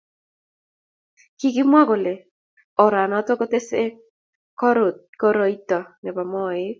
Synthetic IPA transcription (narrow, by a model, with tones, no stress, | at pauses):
ki˦kɪ˦mwa˦ɡɔ˨le˨ | ɔ˨ɾa˨nɔ˦t̪ɔ˦kɔ˦t̪e˦se˦ | kɔ˦ɾo˨kɔ˦ɾɔ˨i˦t̪ɔ˨nɛ˨ba˨mɔ˦˨ɪ˦